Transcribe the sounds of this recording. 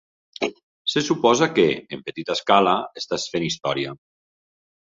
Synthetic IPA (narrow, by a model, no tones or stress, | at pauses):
sesupɔzakeːmpət̪it̪askalaest̪asfenist̪ɔɾia